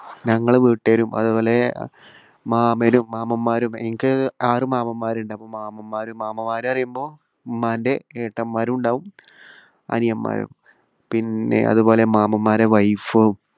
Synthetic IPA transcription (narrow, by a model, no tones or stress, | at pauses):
ɲɐŋːɐɭʋiːʈːeɾumɐ̰ðubo̞ːle̞ | maːmeɾumːaːmɐmːaːɾumeŋikʲːɨaːrumaːmɐmːaːɾuɳɖɨɐpːoːmaːmɐmːaːɾumaːmɐmːaːɾuɐrijumbo̞ː | maːnde̞eːʈːɐmːaːɾuuɳɖaːʋum | ɐ̰nijɐmːa̰ːɾṵm | pinːe̞̰ʔɐ̰ðubo̞ːle̞maːmɐmːaːɾeʋɐjfɨ